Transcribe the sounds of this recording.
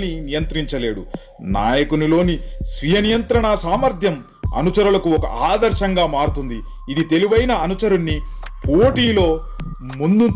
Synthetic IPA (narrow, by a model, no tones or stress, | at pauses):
ninijɐnt̪ɾiɲt͡ʃɐle̞ːɽṵ | na̰ːjɐkunilo̞ːnisʋijɐnijɐnt̪ɾɐɳasaːmɐɾd̪ʱjɐm | ɐ̰nut͡ʃɐɾulɐkuɔkɐ̰ʔaːd̪ɐɾʃɐŋɡaːmaːɾut̪und̪iː | d̪it̪e̞liʋɐjnɐːnut͡ʃɐɾunːipoːʈiːlo̞ː | mund̪u